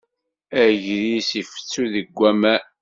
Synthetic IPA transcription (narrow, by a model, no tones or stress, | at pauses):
æʝðisifə̥t͡sːuðəɡʷːæmæ